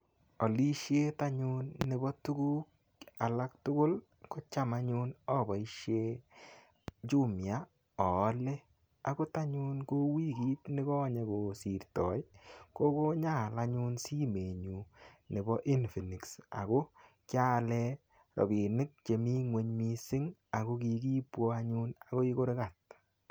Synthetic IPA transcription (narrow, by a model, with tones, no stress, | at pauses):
ɔ˨li˦ʃje˦ta˦ɲu˦nːe˨bɔ˦tu˦ɡu˦k̚ | a˨la˦k̚tʊ˦kʊ˦l | kɔ˦t͡ʃa˦ma˦ɲu˦nɔ˦bɔ˨i˦ʃje˦ | d͡ʒu˦mja˦ | ɔ˨˦le˦ | a˨ɡo˦ta˦ɲu˦nko˦wi˦ɡiː˦tnɪ˦ɡɔ˦ɲe˨ko˨si˨ɾtɔ˨jko˦ko˦ɲa˦˨la˦ɲu˦nsi˦me˨ɲu˨nɪ˨bɔ˦ʔi˦nfi˨ni˨ksa̰˨ɡo˦ | kja˦lɛ˦ | ɾɔ̰˨bi˨nɪ˦k̚t͡ʃe˨mi˦ŋwe˨˦ɲmi˦sɪ˦ŋa˨ɣo˦ki˨ki˦pwɔ˦a˦ɲu˦na˨ɣo˦i˦ko˦ɾɪ˦ka˨t̚